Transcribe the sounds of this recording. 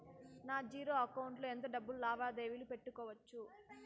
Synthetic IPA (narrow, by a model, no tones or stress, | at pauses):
naːd͡ʒiːɾo̞ːɐkɐwuɳʈloːent̪̬oːɖɐbːululaːʋaːd̪eːʋilupe̞ʈːukɔːʋɐt͡ʃːu